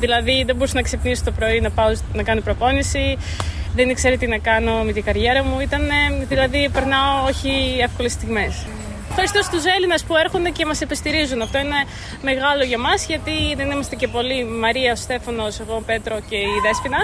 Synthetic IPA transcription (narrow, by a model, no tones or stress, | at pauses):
ðilɐðiðe̞bo̞ɾusnɐksepniso̥t̪o̞pɾo̞inɐpɐonɐkɐnopɾo̞po̞nisiðenikse̞ɾet̪inɐkɐno̞me̞t̪iɡɐɾʝe̞ɾɐmuit̪ɐne̞ðilɐðipe̞ɾnɐooçie̞fko̞lest̪iɣme̞s | efxɐɾist̪ost̪use̞linɐspue̞ɾxond̪e̞ce̞mɐsipest̪iɾizunɐft̪o̞ine̞ | me̞ɣɐlo̞ʝɐmɐzʝɐt̪iðenimɐst̪e̞ce̞po̞limɐɾiɐost̪e̞fɐno̞se̞ɣo̞pe̞t̪ɾo̞ce̞iðe̞spinɐ